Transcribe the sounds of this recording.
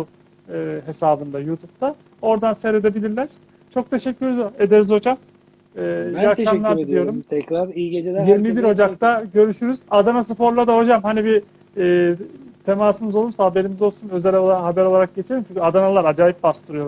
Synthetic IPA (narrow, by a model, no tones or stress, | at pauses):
ɯːɦe̞saːbɯnd̪ajuːt̪ʰup̚t̪ʰa | o̞ɾd̪anseɾed̪e̞bilʲiɾlʲæɾ̥ | t͡ʃʰo̞k̚t̪ʰe̞ʃɛcʰːyɾed̪oɾed̪eɾizo̞d͡ʒamː | aɾamˠaɾdid̪ijo̞ɾumt̪ʰɛkɾaɾied͡ʒejiɾmibiɾo̞d͡ʒakt̪aɟø̞ɾyʃyɾyzad̪anas̬ɯpo̞ɾlˠad̪aɦo̞d͡ʒamhanibi | t̪ʰe̞maːsɯnɯzolˠuɾsahabe̞ɾimizo̞lˠsunø̞zɛlʲolˠanɦabæɾo̞lˠaɾak̚ɟet͡ʃʰelʲimt͡ʃʰyɲcʰʲad̪analˠaɾad͡ʒaːjip̚bast̪ʰɯɾɯjo